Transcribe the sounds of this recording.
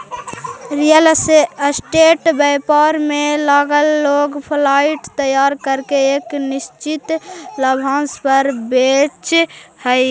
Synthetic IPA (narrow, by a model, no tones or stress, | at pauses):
ɾijəlsʈeːʈbɛɪpaɾmelaːɡəlːoɡpʰlaɪʈt̪əjaːɾkəɾkeeːknist͡ʃit̪ləbʱãnspəɾbet͡ʃhəj